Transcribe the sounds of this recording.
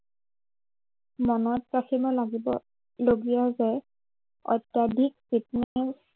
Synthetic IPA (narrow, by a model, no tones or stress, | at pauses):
mɔnɔt̚kasimɔlaɡibɔ̰ | loɡijazɛ | ɔ̰jtjadʱiksitnɛs